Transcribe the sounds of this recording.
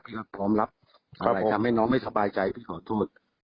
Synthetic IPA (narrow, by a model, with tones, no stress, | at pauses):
pʰiː˥˩ka˦˩pʰɾɔː˦˥mla˦˥p̚ | kʰa˦pt̪ʰa˧mha˥˩jnɔː˦˥ŋma˥˩jsa˧baː˧jt͡ɕa˧jpʰiː˥˩kʰɔː˨˩˦t̪ʰoː˥˩t̪̚